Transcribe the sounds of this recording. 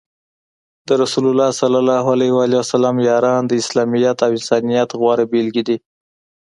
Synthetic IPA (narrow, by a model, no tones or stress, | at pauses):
d̪əɾasulʊlːɑsalalɑɦalahwalewasalɑmjɑɾɑnd̪əɪslɑmijat̪awɪnsɑnijat̪ɣwɑɾabelɡid̪i